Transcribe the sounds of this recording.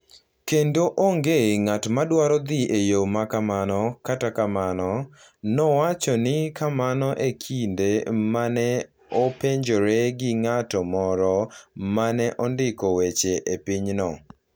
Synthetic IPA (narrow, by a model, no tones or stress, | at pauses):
kendoʔoŋɡeŋatmadwaɾɔd̪ɪejomakamanɔkatakamanɔ | nɔwat͡ʃɔnɪkamanɔʔekʰindemanɛ | opeɲd͡ʒoɾeɡɪŋatɔmɔɾɔmanɛʔɔndɪkɔwet͡ʃeʔepɪɲnɔ